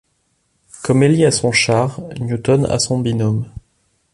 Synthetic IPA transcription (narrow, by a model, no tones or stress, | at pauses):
kɔmɛliasɔ̃ʃaʁnjut̪ɔna̰sɔ̃binɔm